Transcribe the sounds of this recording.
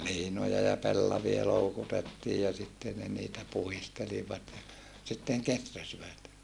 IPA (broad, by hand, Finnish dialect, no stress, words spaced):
liːnojɑ jɑ pelːɑʋiɑ loukutetːiː jɑ sitːe ne niːtæ puhisteliʋɑt jɑ sitːeŋ ketræsiʋæt